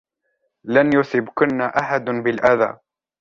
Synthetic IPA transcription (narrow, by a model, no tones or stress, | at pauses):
lanjʊsɪbkʊnːaʔaħad̪bɪlʔaða̰ː